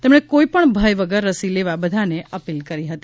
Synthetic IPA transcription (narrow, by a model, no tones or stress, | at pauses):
t̪emɳ̃ekoipəɳbʱəjʋəɡəɾːəsileʋabəd̪ʱaneʔəpilkəɾiɦət̪i